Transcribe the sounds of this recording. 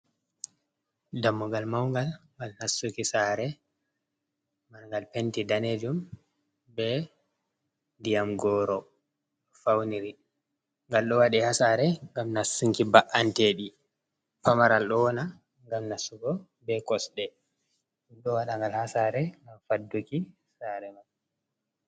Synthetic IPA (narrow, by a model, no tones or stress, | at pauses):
damːuɡalmawŋɡalŋɡalnasːukisaɾɛ | manŋɡalpentidaned͡ʒum | bɛ | dijamɡɔːɾɔ | ɗɔfawniɾi | ŋɡalɗɔwaɗihasaɾɛŋɡamnasːuŋkibaʔanteːɗi | pamaɾalɗɔɔna | ŋɡamnasːuɡɔ | bɛkɔsɗɛ | ɗumɗɔwaɗaŋɡalhasaɾɛŋɡamfadːuki | saɾɛmal